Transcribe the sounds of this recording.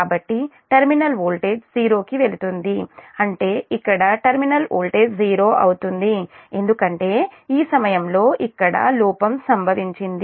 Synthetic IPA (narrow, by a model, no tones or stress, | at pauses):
aːbɐʈːiʈɐɾminɐlʋoːlʈe̞ːd͡ʒziːɾo̞ːkiʋe̞lut̪und̪iɐɳʈe̞ːikːɐɽɐʈɐɾminɐlo̰ːlʈe̞ːd͡ʒziːɾo̞ːʔɐ̰wut̪und̪ie̞nd̪ukɐɳʈe̞ːiːsɐmɐjɐmlo̞ːʔikːɐɽɐ̰luːpɐmsɐmbʱɐʋiɲt͡ʃind̪i